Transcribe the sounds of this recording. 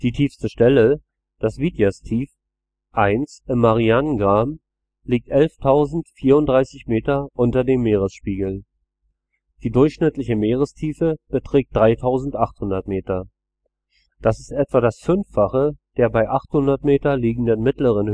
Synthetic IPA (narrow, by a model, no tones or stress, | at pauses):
d̥iːtʰiːfstəʃtɛlə | d̥asv̥iːdjastʰiːf | ʔaɪnsʔɪmːaʁianənɡʁaːm | liːk̚tʔɛlftʰaʊzn̩tfiːɐʊntd̥ʁaɪsɪçmeːtɐʔʊntɐdeːmːeːʁəsʃpiːɡl̩ | d̥iːdʊɐçʃnɪtlɪçəmeːʁəstʰiːfəb̥ətʁ̥ɛːk̚t̚d̥ʁaɪtʰaʊzn̩tʔaχthʊndɐtmeːtɐ | d̥asɪstʔɛtv̥adasfʏnfaχəd̥eːɐbaɪʔaχthʊndɐtmeːtɐliːɡŋ̩dənmɪtləʁən